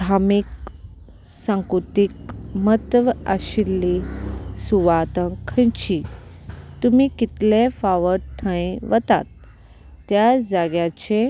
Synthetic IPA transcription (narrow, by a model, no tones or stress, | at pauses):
d̪ʱamik | sãŋkɾut̪ikmət̪ʋaɕilːisuʋat̪ə̃kʰə̃jt͡ɕi | t̪umikit̪lefaʋəɾt̪ʰə̃ĩʋət̪a̰t̪ː | jad͡zaɡjat͡ɕe